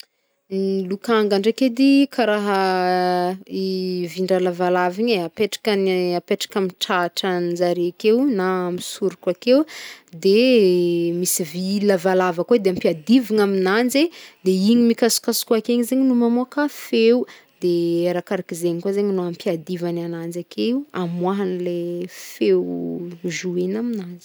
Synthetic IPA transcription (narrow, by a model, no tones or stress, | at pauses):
lukaŋɡaɳɖ͡ʐeked̪ikʰaɾaɦə | iviɳɖ͡ʐalavalaviɲeapeʈ͡ʂḁkanapeʈ͡ʂḁkamiʈ͡ʂaʈ͡ʂanzaɾeakewnamisuɾukʲakewd̪e | misivilavalavakued̪eampiad̪iviŋaminand͡zed̪eiɲimikasi̥kasi̥kuakeɲizeɲinumamokafeu | d̪eeɾakaɾakizeɲikwazeɲinoampiad̪ivananand͡zakʰeuamwaɦanilefewʒuenaminand͡zi̥